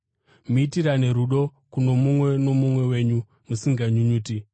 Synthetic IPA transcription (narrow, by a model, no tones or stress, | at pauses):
muiitiɾane̞ɾuɗo̞kuno̞mumwe̞no̞mumwe̞we̞ɲu | musiŋɡaɲuɲuːti